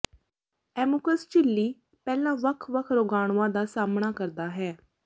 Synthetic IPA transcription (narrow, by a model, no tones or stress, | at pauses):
ɛːmʊkəst͡ʃɪlːiː | pɛːlãːʋəkʰʋəkʰɾoːɡaːɽ̃ãːd̪aːsaːmɳaːkəɾd̪aːɦɛː